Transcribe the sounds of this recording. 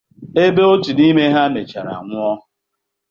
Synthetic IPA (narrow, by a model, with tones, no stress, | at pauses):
e˦be˦o˦tu˨ni˦me˦ɦa˦me˨t͡ʃa˨ɾa̰˨ŋʷʊ˦ɔ˦